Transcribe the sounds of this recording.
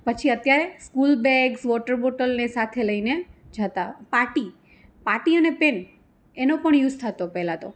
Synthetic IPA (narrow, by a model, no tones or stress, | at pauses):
pət͡ʃʰiət̪jaɾeskulbɛɡsʋɔʈəɾboʈəlnesat̪ʰeləined͡ʒət̪apaʈi | paʈiənepen | enopəɳjud͡ʒt̪ʰat̪opɛɦlãt̪o